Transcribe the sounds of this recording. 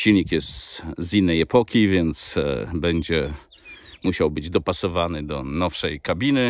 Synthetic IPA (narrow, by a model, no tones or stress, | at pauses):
ɕilʲɲikjɛst̪zinːɛjɛpɔkʲivʲjɛnt̪sbɛɲd͡ʑɛ | muɕawbɘd͡ʑd̪ɔpasɔvanɘd̪ɔnɔfʂɛjkabʲinɘ